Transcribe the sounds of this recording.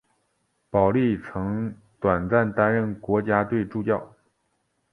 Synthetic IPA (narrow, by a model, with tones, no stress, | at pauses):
pɑ˨˩ʊli˥˩t͡sʰɤ˧˥ŋ | t̪wa˨˩nt͡sa˥˩nt̪a˥nɻə˥˩nkwɔ˧˥t͡ɕja˥t̪we˥˧ɪʈ͡ʂu˥˧t͡ɕjɑ˥˩ʊ